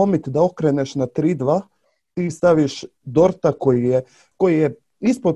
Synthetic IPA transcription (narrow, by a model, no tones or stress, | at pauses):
omit̪d̪aokɾeneʃnat̪ɾiːd̪ʋa | t̪ist̪aʋiʃd̪o̞ɾt̪akojije | kojije | ispo